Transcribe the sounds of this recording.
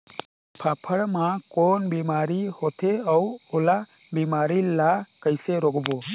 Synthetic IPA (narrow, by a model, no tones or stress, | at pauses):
pʰapʰəɽmakɔnbɛmaɾihɔt̪ʰeawɔlabimaɾilakajseɾɔɡɔbɔ